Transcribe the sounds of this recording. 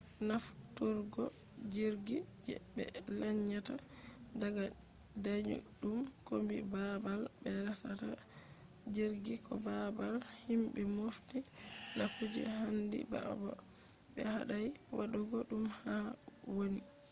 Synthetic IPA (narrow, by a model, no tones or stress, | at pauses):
naf | tuɾɡɔ | d͡ʒiɾɡi | d͡ʒɛbɛ̰ | lɛɲːata | daɡa | daɲṵɗumkombibabalbɛɾasata | d͡ʒiɾɡikɔbabal | himbɛmufti | nakud͡ʒɛ̰handḭba̰ʔbal | bɛhaɗaj | waɗuɡɔɗumha | woni